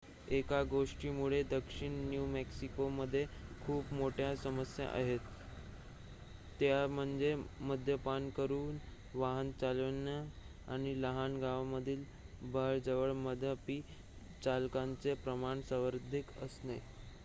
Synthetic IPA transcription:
ekaɡoʂʈiːmuɭed̪əkʂiɳnjumeksikoməd̪ʱːjekʰuːpmoʈʰjasəməsja̰ʔa̰ɦet̪ | jam̤əɳd͡zeməd̪ʱjəpankəɾuːn | ʋaɦənt͡salna | a̰ɽ̃iləɦanɡaʋməd̪ʱiːl | bʱəɭd͡zəʋəɭməd̪ʱəpiː | t͡ɕalkant͡sepɾəmaɳsəʋəɾd̪ʱikəsne

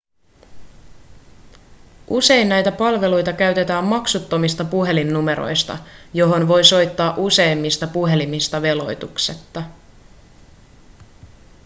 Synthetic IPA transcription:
ʔuse̞jnnæjt̪æpɑlʋe̞lujt̪ɑkæɥt̪e̞t̪æːmmɑksut̪ːo̞mist̪ɑpuɦe̞linːume̞ɾo̞̰jst̪ɑ̰jo̞ɦo̞nʋo̞jso̞jt̪ːɑːʔuse̞jmːist̪ɑpuɦe̞limist̪ɑʋe̞lo̞̰jt̪ukset̪ːɑ

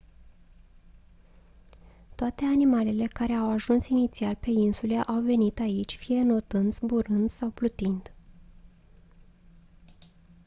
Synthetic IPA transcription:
t̪oat̪e̞animale̞le̞kaɾe̞awaʒunsinit̪sialpe̞insuleʔawve̞nit̪ait͡ʃʲfije̞no̞t̪ɨnd̪sbuɾɨnd̪sawplut̪ind̪̥

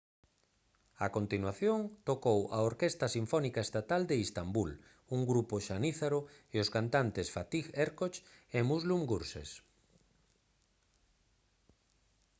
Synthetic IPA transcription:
akont̪inwaθjoŋt̪okowʔaoɾkest̪ɐsiɱfɔnikaest̪at̪ald̪eist̪ambul | uŋɡɾupoʃaniθaɾoeoskant̪ant̪esfat̪iɣeɾkot͡ʃemuzlumɡuɾsḛs

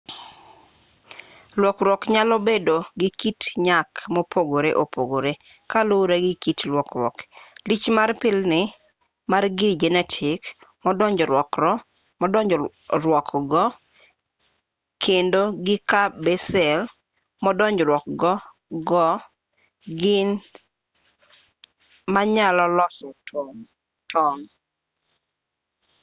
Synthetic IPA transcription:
lwɔkɾwɔkɲalɔbedoɡɪkitɲakmopʰoɡoɾeʔopʰoɡoɾe | kaloɾeɡɪkitlwɔkɾwɔ̰klit͡ʃmarpɪlnɪ | marɡɪd͡ʒɛnɛtʰɪkmɔdɔɲd͡ʒɔɾwɔkɾɔ | mɔdɔɲd͡ʒɔ | ɾwɔkɡɔ | kʰendoɡɪkabɛsɛl | mɔdɔɲd͡ʒɾwɔk̚ɡɔ | ɡɔ | ɡɪn | maɲalɔlɔsɔ | tɔn

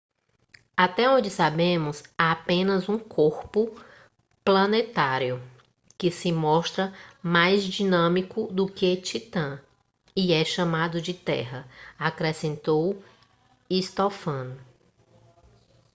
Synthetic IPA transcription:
at̪ɛõd͡ʒɪsabẽmʊzaapẽnɐzũkʰoɾpʊ | plɐnet̪aɾjʊ | kɪsɪmɔʃt̪ɾɐmajzd͡ʒinɐ̃mikʊd̪ʊket͡ʃit̪ɐ̃ | iɛʃɐ̃mad̪ʊd͡ʒɪt̪ɛ̰ɦɐakɾɛsẽnt̪ow | ist̪ofɐ̃nʊ

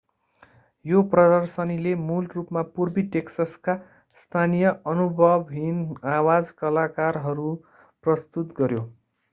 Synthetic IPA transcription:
joprʌd̪ʌrsʌnilemulrupmapurbiʈeksaska | st̪ʰanijʌʌnubʱʌbɦinawad͡zkʌlakarɦʌɾu | prʌst̪ut̪ɡʌɾjo

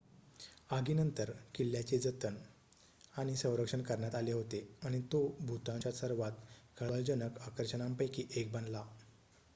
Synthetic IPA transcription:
aɡiːnənt̪əɾkilːjat͡ɕed͡zət̪ən | aɽ̃isə̃wɾəkʂəɳkəɾɳjat̪aleɦot̪eaɽ̃it̪obʱut̪ãɲt͡ɕjasəɾʋat̪kʰəɭald͡ʑənəkakəɾɕənãmpajkiʔek̚bənla

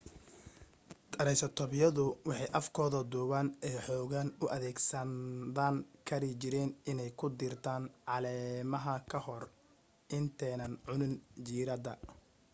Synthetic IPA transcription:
t̪ʰɐɾɛjsɐt̪ʰɔβjɐðʊwɑħɑjʔɐfkʰɔːðɐd̪uːwaːnɛjħɔːɣanʊʔɐðɛːɡsɐd̪aːŋkʰɐɾɪt͡ʃɪɾɛːnɪnɛjkʰʊd̪ɪrt̪ʰaːnʕɑlɛːmɐɦɐkʰɐhɔr | ʔɪnt̪ʰɛːnɐnʕʊnɪnd͡ʒiːɾɐd̪ɐ

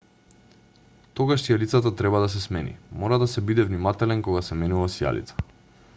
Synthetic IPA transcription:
t̪ɔɡaʃsijalit̪sat̪at̪ɾɛbad̪as̬ɛsmɛnḭmɔɾad̪asɛbid̪ɛvnimat̪ɛlɛnkɔɡasɛmɛnuvasja̰lḭt̪sḁ

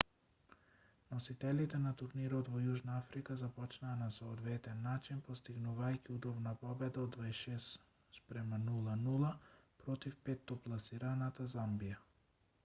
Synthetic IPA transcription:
nɔsit̪ɛlit̪ɛnat̪uɾniɾɔt̪vɔjuʒnaafɾikazapɔt͡ʃnaːnasɔːd̪vɛt̪ɛnːat͡ʃinpɔst̪iɡnuvajciud̪ɔbnapɔbɛd̪aɔd̪vaʃɛs | spɾɛmanulˠanulˠapɾɔt̪ifpɛt̪ːɔplˠasiɾanat̪azambija

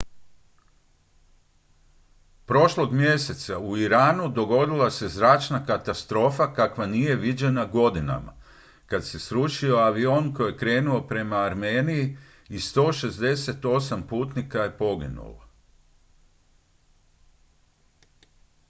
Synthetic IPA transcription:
pɾo̞ʃlo̞ɡmje̞se̞t̪sauiɾaːnud̪o̞ɡo̞d̪ilˠase̞zɾaːt͡ʃnakat̪ast̪ɾo̞ːfakakʋanije̞ʋid͡ʑe̞naɡo̞d̪ina̰ma̰ | kad̪se̞sɾuʃio̞aʋio̞nko̞jekɾe̞ːnuo̞pɾe̞maːɾmeːniji | ist̪o̞ːʃe̞zd̪e̞se̞t̪o̞sampuːt̪nikaje̞po̞ɡḭnṵla̰

